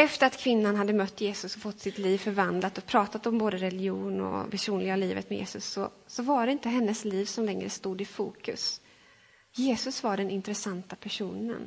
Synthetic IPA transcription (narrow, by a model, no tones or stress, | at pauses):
ɛft̪əɾat̪kʰvɪnːanɦad̪ːəmœt̪ːjeːsɵsɔfɔt̪ːsɪt̪liːvfœɾvand̪lat̪ɔpʰɾɑːt̪at̪ɔmboːd̪əɾɛlɪuːnɔ̰pʰæʂuːnlɪɡaliːvə̰t̪mɛjḛːsɵsːɔsɔvaɖɛɪnt̪əɦɛnːəsliːvsɔmlɛŋɾəst̪uːd̪ɪfuːkɵs | jeːsɵsvaɖɛnɪnt̪ɾɛsant̪apʰæʂuːnə̰n